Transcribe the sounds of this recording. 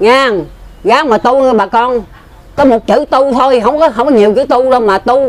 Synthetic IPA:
ŋaː˧˩˨ŋɣaː˨˦maː˨˩t̪u˧nə˧ɓaː˨˩kɔ˧n | kɔ˨˦mo˨˩t̚t͡ɕɨ˧˦t̪u˧t̪ʰo˧jɦə˧wŋ͡mkɔ˨˦ɦə˧wŋ͡mkɔ˨˦ɲi˨˩əwt͡ɕɨ˧˨˦t̪u˧zə˧wŋ͡mmaː˨˩t̪u˧

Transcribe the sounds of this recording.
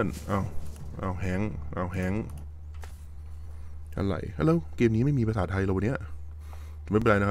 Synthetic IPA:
ə˨nʔaː˧˩wʔa̰ː˧˩wɦɛː˧˥˩ŋʔa̰˧˩wɦɛː˧˥˦ŋ | a̰˧˨la̰˨˩ja˧˨lwkeː˧mniː˦˥ma˥˩˨jmiː˧pa˧saː˨˩t̪̚ʰːa˧jla˧wa˧ni˦˥˩ɐ˨ʔ | m˧˥˩pːa˨jna˧

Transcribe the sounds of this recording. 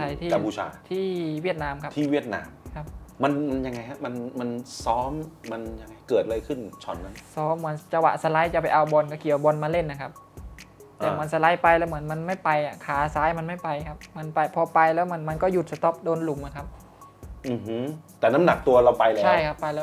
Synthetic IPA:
tʰa˧˩jt̪ʰiː˥ka˧mpʰuː˧˩a̰ː˧t̪ʰiː˥˩wi˥˩t̪̚naː˧˥mkʰa˦˥t̪ʰiː˥˩wi˥˩ət̪̚na̰ː˧mkʰa˦˥p̚ːma˧nma˧nja˧ŋːa˧jha˦˥ma˧nma˧nsɔː˦˥mma˧nja˧ŋːa˧jkɤː˨˩t̪̚a˧ɤ˧jkʰɯ˥˩nt͡ɕʰɔ̰˨˩nːa˦˥nsɔː˦˥mːɯ˩˦ənt͡ɕa˧wa̰˨˩sa˧la˦˥jt͡ɕa˨˩pa˧jʔa˧wbɔ˧nkɔ˥˩kʰi˨˩˦bɔ˧nmaː˧le˥˩nʔa˨˩kʰa˦˥p̚ | t̪ɛː˨˩ma˧˦nsa˧la˦˥jpa˧jlɛː˦˥wmɯ˩˦ənma˧nma˥˩jpa˧jʔa˨˩kʰaː˩˦saː˦˥jma˧nma˥˩jpa˧jkʰa˦˥p̚ma˧npa˧jpʰɔː˧pa˧jlɛː˦˥wma˧nma˧nkɔː˥˩ju˨˩t̪̚sa˧t̪ɔ˦˥p̚doː˧nlu˨˩˦mʔa˨˩kʰa˦˥p̚ | ʔɯː˧˩ht̪ɛː˨˩na˦˥mna˨˩k̚t̪u˧ɐɾa˧wpa˧jlt͡ɕʰa˥˩jkʰa˦˥pːa˧jlɛː˦˥

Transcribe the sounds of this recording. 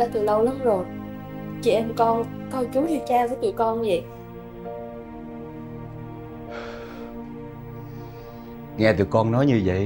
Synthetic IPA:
aː˧˦t̪ʰɨ˨˩lə˧wlaː˨˦nzo˨˩j | t͡ɕḭ˧˩ʔɛ˧mkɔ˧n | kɔ˧˩wt͡ɕu˨˦zi˧˩t͡ɕaː˧vəː˨˦t͡ɕ̪ɨ̰˧˩kɔ˧nvə̰˧˨j | ŋɛː˧˩t̪ɨ̰˧˩əkɔ˧nːɔ˨˦jɲɨ˧və̰˧˨

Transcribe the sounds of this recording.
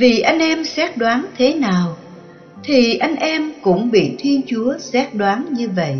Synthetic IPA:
vi˨˩ʔa˧jŋ̟ʔɛ˧msɛ˦˥t̚ɗwaː˨˦nt̪ʰe˨˦naː˨˩w | t̪ʰi˨˩ʔa˧jŋ̟ʔɛ˧mkʊ̰˧˥ŋ͡mɓḭ˧˨t̪ʰi˧ənt͡ɕu˨˦əsɛ˦˥t̚ɗwaː˨˦nɲɨ˧və̰˧˨jʔ

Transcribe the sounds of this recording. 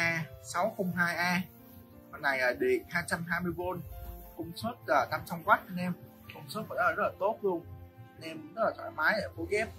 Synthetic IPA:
ʔaː˧sa˨˦wxə˧wŋ͡mɦaː˧jʔaː˧ | kɔ˨˩nːa˨˩jʔəː˨˩ɗe˨˩nhaː˧jt͡ɕa˧mɦaː˧jmɨ˧əjvo˧nkʊ˧wŋ͡msu˦˥t̚kaː˧˩t̪aː˧mt͡ɕa˧wŋ͡mkwa˦˥t̚nɛ˧m | kʊ˧wŋ͡msu˦˥k̚və̰˧˥naː˨˧˩zə˦˥la˨˩t̪o˦˥t̚lu˧ənne˧mə˦˥laː˨˩wa̰˧˨jmaː˨˦jʔəː˧˩ko˨˦ɣɛ˦˥p̚

